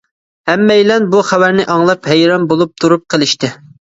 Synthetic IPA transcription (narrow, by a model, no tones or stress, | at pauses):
hɛmːɛjlɛnbuχæwæɾnɪʔɑŋlˠɑphɛjɾɑmbolˠup̚t̪ʰuɾup̚qʰəlˠɪʃt̪ɪ